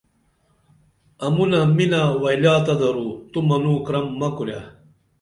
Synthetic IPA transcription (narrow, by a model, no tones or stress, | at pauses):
ɐmunɐminawɐjljaːt̪ɐd̪ɐɾut̪umɐnuːkɾɐmːɐkuɾja̰